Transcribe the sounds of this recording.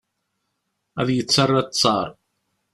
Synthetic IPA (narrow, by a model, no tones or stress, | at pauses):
æðjət͡sːɑrˤːat͡sˤːɑɾˤ